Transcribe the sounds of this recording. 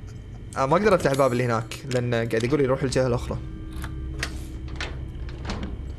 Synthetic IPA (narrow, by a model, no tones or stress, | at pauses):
ʔamaʔɡ̚d̪ɑɾˤɪft̪aħlbaːbɪlːihɪnaːklɪʔanːaɡaʕd̪jaɡuːlijɾuːħɪld͡ʒahalʔʊxɾˤɑ